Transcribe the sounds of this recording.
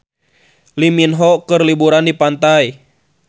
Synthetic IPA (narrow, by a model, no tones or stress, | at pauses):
liminɦɔkərlibuɾandipant̪ai